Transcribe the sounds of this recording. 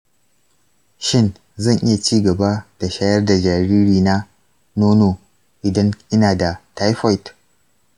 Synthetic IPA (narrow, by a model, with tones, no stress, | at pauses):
ʃɪ˦˨n | zɐ˦˨ŋʔɪ˦ja˨t͡ʃiː˦ɡɐ˨ba˦d̥a˨ʃaː˦jɐ˦rda˨d͡ʒaː˨ɾiː˦ɾiː˨na˦ | noː˦no˨ | ʔɪ˨dɐ˦ŋʔɪ˦naː˨da˨ta˦jɸa˦jt